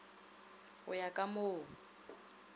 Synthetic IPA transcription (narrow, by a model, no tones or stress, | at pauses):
ɣʊ̰jakʼamʊː